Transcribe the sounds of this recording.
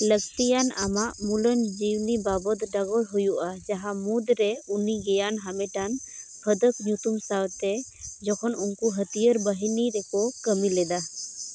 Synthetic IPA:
ləksijana̰maʔmulənd͡ʒiwnibabɔt̪ɖaɡɔlɦujuʔad͡ʒaɦamud̪ɾɛuniɡɛjanɦamɛʈanpʰəd̪ək̚ɲut̪umsawt̪ɛd͡ʒɔkʰɔnunkuɦət̪ijəɾbəɦiniɾɛkɔkəmilɛd̪a

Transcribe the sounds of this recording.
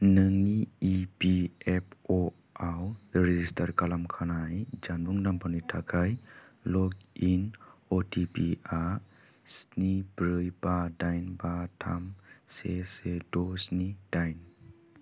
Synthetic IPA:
nɯŋiːpiep̚ʰɔ | awɾed͡ʒistaɾkalamkʰanajd͡ʒanbuŋnampanitʰakʰajlɔkinotʰipia | snibɾɯjbadajnbatʰamsesedɔsnid̥ajn

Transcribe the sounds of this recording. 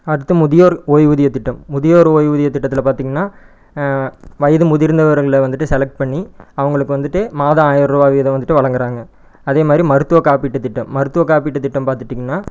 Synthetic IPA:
ɐɾɯt̪ːɯmʊðɪjoːɾoːjʋʊðɪjɐt̪ːɪʈːɐmːʊðɪjoːɾoːjʋʊðɪjɐt̪ːɪʈːɐt̪ːɪlɐpaːɾt̪iːŋɡɐnːaː | ʋɐjɐðɯmʊðɪɾnd̪ɐʋɐɾɐɣɪɭʋɐnd̪ɯʈːɯsɛlɛk̚ʈ̚pɐɳːiɐʋɐŋɡɐɭɯkːɯʋɐnd̪ɯʈːɯmaːðɐaːjɐɾɾubaːʋiɐðɐʋɐnd̪ɯʈːɯʋɐɭɐŋɡɐɾaːŋɡɐ | ɐðeːmaːd̪ɾimɐɾɯt̪ːɯʋɐkaːpiːʈːɯt̪ːɪʈːɐmːɐɾɯt̪ːɯʋɐkaːpiːʈːɯt̪ːɪʈːɐmpaːɾt̪ɯʈːiːŋɡɐnːaː

